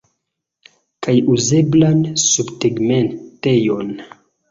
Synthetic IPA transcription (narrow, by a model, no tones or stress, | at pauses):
kʰajuze̞blansubteɡmentejo̞n